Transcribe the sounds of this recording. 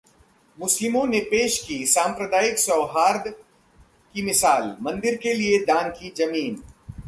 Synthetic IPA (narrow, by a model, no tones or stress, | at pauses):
mʊslɪmõnepeːʃkisãːmpɾəd̪aːjɪksɔːɦaːɾd̪ | kimɪsaːlmɐ̃nd̪ɪɾkelied̪ãːnkid͡ʒɐmiːn